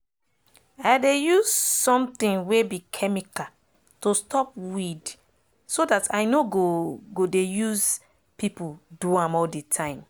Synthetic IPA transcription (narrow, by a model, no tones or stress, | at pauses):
aɪdejuzsɔ̃mtĩnwebikʰɛmika | tostʰɔp̚wid | sodatʰaɪnoɡoɡodejuz | pipuduãmɔlditʰãɪ̃m